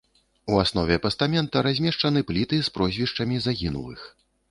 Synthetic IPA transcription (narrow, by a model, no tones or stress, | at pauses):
uasn̪ɔvʲɛpɐst̪amʲɛnt̪ɐɾazʲmʲɛʂt͡ʂɐnɨplʲit̪ɨspɾɔzʲvʲiʂt͡ʂɐmʲizaɣʲinṵlˠɨ̰x